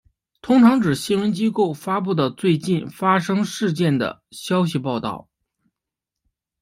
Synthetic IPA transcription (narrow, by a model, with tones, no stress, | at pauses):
t̪ʰʊ˥ŋʈ͡ʂʰɑ˧˥ŋʈ͡ʂɻ̩˨˩ɕi˥nwə˧˥nt͡ɕi˥ko˥˩ʊfa˥pu˥˩d̪ə˩t͡swe˥˧ɪt͡ɕi˥˩nfa˥ʂɤ˥ŋʂɻ̩˥˧t͡ɕjɛ˥˩nd̪ə̰˩ɕjɑ˥ʊɕ̬i˨˧pɑ˥˧ʊt̪ɑ̰˥˩ʊ